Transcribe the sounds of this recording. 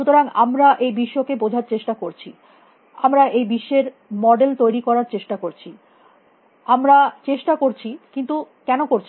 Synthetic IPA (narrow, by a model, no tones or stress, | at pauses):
ʃut̪oɾaŋa̰mɾaʔejbiʃːokebod͡ʑʱaɾt͡ɕeʃʈakoɾt͡ɕʰi | amɾaʔejbiʃːeɾ | mɔɖelt̪ojɾikɔɾaɾt͡ɕeʃʈakoɾt͡ɕʰi | amɾat͡ɕeʃʈakoɾt͡ɕʰikint̪ukɛnokoɾt͡ɕʰ